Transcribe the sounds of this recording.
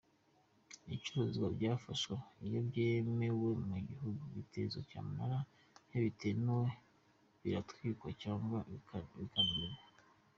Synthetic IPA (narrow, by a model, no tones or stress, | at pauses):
it͡ʃuɾozɡwabɟaːfaʃwaijobɟemewe̞muɟihuɡuβitʰḛzoca̰ːmaɾa | heβitʰenuwe | βiɾatwiːkwacaːŋɡaβikaniiɾa